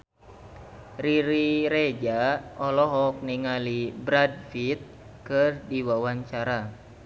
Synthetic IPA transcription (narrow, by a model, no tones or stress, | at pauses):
riɾiɾed͡ʒaʔɔlɔɦɔk̚niŋalibɾad̚fit̪̚ | kɨrdiwawaɲt͡ʃaɾa